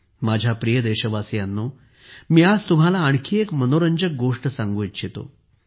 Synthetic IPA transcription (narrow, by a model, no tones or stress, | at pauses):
mad͡ʑʱjapɾijəd̪ɛɕəʋasjanːo | miːad͡zt̪um̤alaːɳ̃kʰiːekmənoɾəɲd͡ʑək̚ɡoʂʈəsãŋɡuit̪ɕet̪o̰